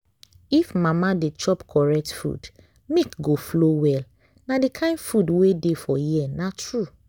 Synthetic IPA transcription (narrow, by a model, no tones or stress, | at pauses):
ifmãmadet͡ʃɔpkʰɔɹɛk̚tfṵd | mikɡoflowɛl | nadikʰãɪ̃ndfudwedefɔjiɛnatɹu